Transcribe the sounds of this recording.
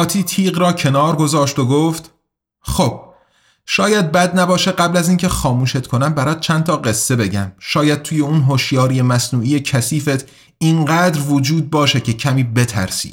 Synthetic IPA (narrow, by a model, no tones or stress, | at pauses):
ɒːt̪ʰiːt̪ʰiːɣɾɒːcʰe̞nɒːɾɡo̞zɒːʃt̪oɡoft̪ | xob̥ | ʃɒːjæd̪̚bæd̪̚næbɒːʃeɢæblæziːncʰe̞xɒːmuːʃe̞t̪kʰo̞næmbæɾɒːd̪̚t͡ʃʰænt̪ʰɒːɢe̞sːe̞be̞ɟæmʃɒːjæd̪̥̚t̪ʰuːje̞uːnɦoʃjɒːɾije̞mæsnuːijecʰæsiːfet̪ʰ | iŋɢæːd̪ɾvod͡ʒuːd̪̚bɒːʃecʰe̞cʰæmiːbe̞t̪ʰæ̰ɾsḭ̥ː